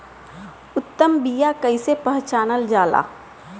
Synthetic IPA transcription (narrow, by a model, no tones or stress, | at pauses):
ʊt̪ːəmbijakəɪsepəɦt͡ʃaːnəld͡ʒaːla̰ː